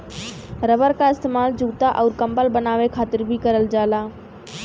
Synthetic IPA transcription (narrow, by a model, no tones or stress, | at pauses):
ɾəbəɾkaɪst̪eːmaːld͡ʒuːt̪aʔɔːɾkɐ̃mpəlbənaːʋekʰaːt̪ɪɾbʱikɐɾəld͡ʒaːlaː